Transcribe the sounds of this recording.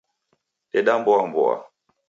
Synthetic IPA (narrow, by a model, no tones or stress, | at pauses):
ɛɗambɔambɔ̰a̰